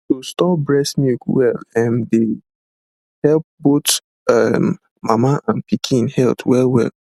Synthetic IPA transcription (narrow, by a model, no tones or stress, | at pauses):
tostɔpbɹɛsmukwɛlɛ̃nde | hɛlp̚bot | am | mamaʔãnpikʰĩnhɛltʰwɛlwɛ̰l